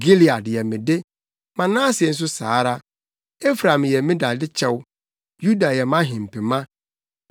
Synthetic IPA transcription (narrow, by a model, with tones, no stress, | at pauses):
ɡi˦li˨a˨djɛ˨mĩ˨de˦ | mã˨nãː˦sɪ˨ɛ˨n̩˦s̬ʊ˦sa̰ː˨˦ɾa˦ | e˦fɾã˨m˨jɛ˨mĩ˦da˨dɪ˦t͡ɕʰɛ˦w | ju˦da˨jɛ˨mã˦ɦɪ̃˨m̩˨pʰi˨mã˦